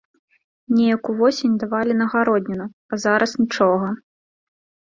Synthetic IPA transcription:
nʲɛjɐkuvɔsʲenʲd̪avalʲinɐɣaɾɔd̪ʲnʲinu | ɐzaɾʔɐsnʲit͡ʂɔɣɐ

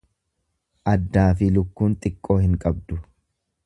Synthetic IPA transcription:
ʔɐd̪ːaːfɪlʊkːuːnt̪ʼɪkʼːo̞ːhɪŋkʼɐbd̪ʊ

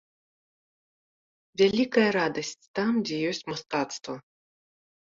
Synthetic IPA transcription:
vʲalʲikɐjɐɾad̪ɐsʲt͡sʲt̪amd͡zʲɛjɔsʲt͡sʲmast̪at̪st̪vɐ

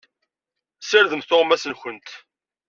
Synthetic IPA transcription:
səɾðəmθʊʁmæsənçənt̪

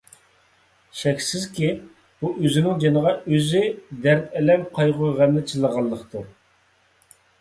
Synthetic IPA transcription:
ʃɛkʲsɪzkʲi | b̥uʔøzɪnɪŋd͡ʒenəʁɑøzyd̪æɾt̪ɛlɛmqʰɑjʁʊʁæmːɪt͡ʃʰɨlˠəʁɑlˠːəqt̪ʰu

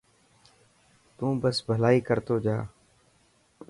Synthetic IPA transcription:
t̪ũːbəsbʱəlaːiːkəɾt̪oːd͡ʒaː

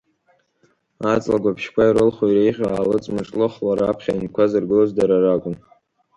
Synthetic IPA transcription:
at͡sʼlaɡʷapʰʃkʷʰaiɾɨlχojɾejʁʲaaːlɨt͡sʼmɨʈ͡ʂʼlɨχlaɾapʰχʲainkʷʰazɨrɡɨlozdaɾarakʷʼʊn

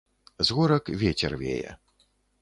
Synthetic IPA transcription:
zɣɔɾɐkvʲet͡sʲɛrvʲḛjɛ̰

